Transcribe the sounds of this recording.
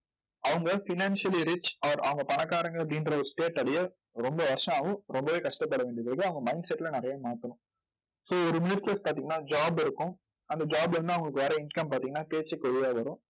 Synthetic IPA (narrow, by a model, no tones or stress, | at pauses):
ɐʋɐŋɡɐfɪnaːnsɪɐliɾɪt͡ʃaːɾʔɐ̰ʋɐŋɡɐpɐnɐkːaːɾɐŋɡɐɭɐpɽindɾɐɔɾɯsʈeːʈɐɽɐjɐ | ɾɔmbɐʋɐɾʂɐ̃aːʋʊ̃ɾɔmbɐʋeːkɐʂʈɐpːɐɽɐʋeːɳɖɪɐðɐkːɯɐʋɐŋɡɐmɐɪnɖsɛʈːɪlɐnɪɾɐjaːmaːt̪ɐnʊ̃ | soːɔɾɯmɪnɪʈʈespaːɾt̪iːŋɡɐnːaːd͡ʒaːbɪɾɯkːʊ̃ | ɐnd̪ɐd͡ʒaːbɪɾɯnd̪ɯɐʋɐŋɡɐɭɯkːɯʋɐɾɐɪnkɐmpaːɾt̪iːŋɡɐnːaːpeːt͡ʃːɛkːɯʋɛɻɪjaːʋɐɾʊ̃